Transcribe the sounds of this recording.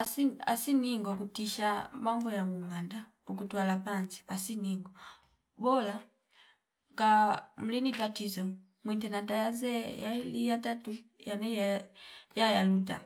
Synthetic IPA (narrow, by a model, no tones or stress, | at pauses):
asia̰siniŋɡɔkutiʃamambɔjamuŋanda | ukutwalapanziasiniŋɡɔ | bɔla | kam̩linitatizɔ | mwintɛnandajazɛjalijatatujanɛjajajaluta̰